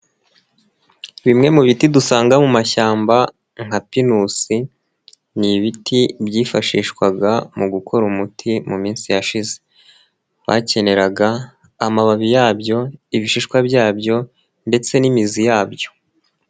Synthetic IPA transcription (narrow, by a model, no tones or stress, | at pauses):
βimŋe̞muβitidusaːŋɡamumaçaːmba | ŋhapinusi | niβitibjiːfaʃiːʃkwaɡamuɡukʰo̞ɾumutʰimumiːnsijaʃize̞ | βa̰ce̞ne̞ɾaɡaː | maβaβijaːbjo̞iβiʃiʃkwabɟaːbjo̞ | nde̞t͡se̞nimizijaːbjo̞̥